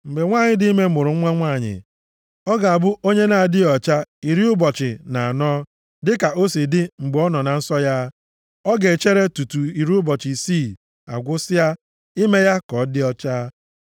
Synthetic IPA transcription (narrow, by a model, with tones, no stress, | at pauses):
m̩˨be˨ŋʷaː˦˨ɲɪ˦dɪ˦i˦me˦mʊ˨ɾʊ˨˦ŋʷa˦ŋʷaː˦˨ɲɪ̰˨ | ɔ˦ɡa˨a˨bʊ˦ʔo˦ɲe˦na˨a˨dɪ˦ɔ˨t͡ʃa˦i˨ɾi˦ʊ˦bɔ˨t͡ʃɪ˨na˨a˨nɔː˦ | dɪ˦ka˨ʔo˦si˨dɪ˦ŋ͡m̩˨ɡ͡bɔ˦nɔ˨na˨n̩˦sɔ˦ja˦ | ɔ˦ɡe˨t͡ʃe˦ɾe˦tu˨tu˨i˨ɾi˦ʊ˦bɔ˨t͡ʃɪ˨si˦˨ | a̰˨ɡʷʊ˦sɪ˦ja˦ | i˦me˦ja˦kɔ˨˦dɪ˦ɔ˦t͡ʃa˦